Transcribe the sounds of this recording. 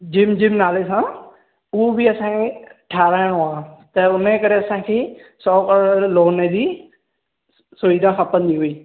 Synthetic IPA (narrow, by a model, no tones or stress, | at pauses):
d͡ʒɪmd͡ʒɪmnaːlesã | uobiɐsãːkʰeʈʰaːɾaːɪɽ̃oaːt̪ɐʊnekɐɾeɐsãːkʰeː | sɔːkəɾloːnebi | sʊʋid̪ʱãxapənd̪iɦuiː